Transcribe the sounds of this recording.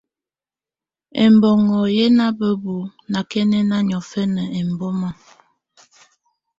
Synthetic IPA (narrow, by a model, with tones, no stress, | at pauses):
ɛ̰˨mbɔ˨ŋɔ˨je˦na˦bə˦bu˨na˨kɛ˦nɛ˦na˦ɲɔ˨fɛ˦nə˨ɛ˨m˨bɔ˦mɔ˦